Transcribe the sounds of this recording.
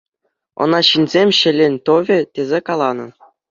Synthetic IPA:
ɤ̰̆nɑɕinʲzʲemʲɕɘ̆lʲenʲt̪oʋʲɘ̆t̪ʲezʲekɑlˠɑnɤ̆

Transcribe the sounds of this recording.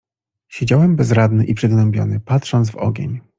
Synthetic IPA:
ɕed͡ʑawɛmbɛzɾad̪nɘʔipʂɘɡ̪nɛmbʲjɔ̰nɘpat̪ʂɔnzvɔ̰ɡʲḛɲ

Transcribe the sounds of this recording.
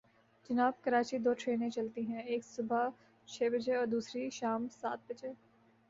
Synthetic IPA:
d͡ʒɐnaːb̚kɐɾaːt͡ʃid̪oːʈʰɾeːnẽt͡ʃɐlt̪iɦɛ̃eːksʊbʱa | t͡ʃʰeːbɐd͡ʒeɔːɾd̪uːsɾiʃaːmsa̰ːt̪̚bɐd͡ʒeː

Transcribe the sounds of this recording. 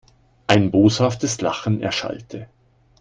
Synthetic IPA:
ʔaɪnboːshaftəsla̰χn̩ɛ̰ɐʃa̰ltʰə

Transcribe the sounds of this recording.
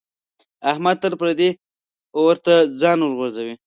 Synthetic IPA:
ahmad̪̚t̪əɾpɾad̪e | wəɾt̪ad͡zɑnəʐɣozawi

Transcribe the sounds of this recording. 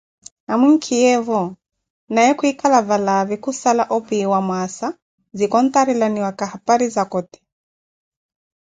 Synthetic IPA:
amiŋ̩kʰijɛvɔ | najɛkuikalavalaβɛkusalaʔɔpiwamwasa | zikɔnt̪aɾilaniwakahapaɾizakɔt̪ɛ̥

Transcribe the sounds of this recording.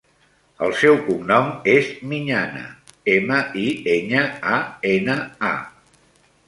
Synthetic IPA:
əlˠsɛwkumnɔmezmiɲanə̰eməʔieɲəaenəa̰

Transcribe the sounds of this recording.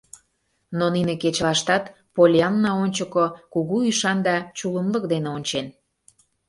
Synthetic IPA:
nonineket͡ɕlɑʃt̪ɑt̪ | polʲeɑnːɑonʲt͡ɕəkokuɣuyʃɑnd̪ɑt͡ɕuləmlək̚d̪eneonʲt͡ɕen

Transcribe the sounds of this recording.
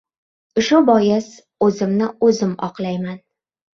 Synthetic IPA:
ʊʃʊbɒjɪs | ɵzɪmnɪɵzɪmɒ̰qlˠajman

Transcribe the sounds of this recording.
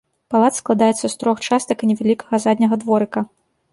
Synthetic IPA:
palˠat̪sklˠad̪ajɛt̪sːɐst̪ɾɔxt͡ʂast̪ɐkinʲɛvʲalʲikɐɣɐzad̪ʲnʲɐɣɐd̪vɔɾɨkɐ

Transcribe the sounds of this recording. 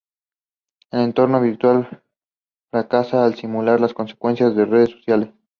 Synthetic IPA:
ele̞nt̪o̞ɾnoβiɾt̪wal | fɾakasaːlsimulaɾlasko̞nse̥kwe̞nsjazðe̞reðesːo̞sjales

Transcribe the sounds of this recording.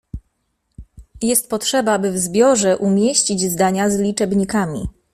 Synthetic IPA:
jɛst̪̚pɔtʂɛbabɘvzbʲjɔʐɛʔumʲjeɕt͡ɕid͡ʑzd̪aɲazlʲit͡ʂɛbɲikamʲḭ

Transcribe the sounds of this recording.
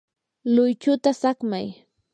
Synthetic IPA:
lʊjt͡ʃʊt̪asakmaj

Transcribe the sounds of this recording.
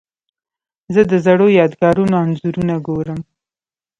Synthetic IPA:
zəd̪əzaɽojɑd̪ɡɑɾunoanzuɾunaɡoɾəm

